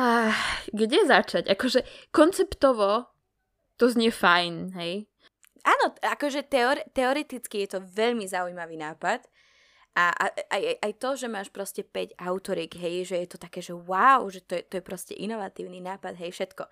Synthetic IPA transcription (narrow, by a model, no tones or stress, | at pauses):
aɡɟɛzat͡ʃaɟakɔʒɛkɔnt͡sɛpt̪ɔʋɔ | t̪ɔzɲɛfajnɦɛj | ʔaːnɔakɔʒɛt̪ɛɔɾɛt̪ɛɔɾɛt̪it͡skijɛt̪ɔʋɛʎmizaujmaʋiːnaːpat̪ | ʔaʔa̰ʔajjʔajt̪ɔʒɛmaːʃpɾɔscɛpɛɟaʊt̪ɔɾiːɡɦɛjʒɛjɛt̪ɔt̪akɛːʒɛwaʊʒɛt̪ɔjɛt̪ɔjɛpɾɔscɛ̰ʔinɔʋat̪iːʊninaːpad̪ɦɛjfʃɛt̪kɔ